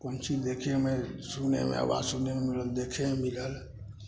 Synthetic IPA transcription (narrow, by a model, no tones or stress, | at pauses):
kont͡ʃid͡ʒd̪ekʰemesunḛmḛə̰wa̰sunememiləld̪ekʰemiləl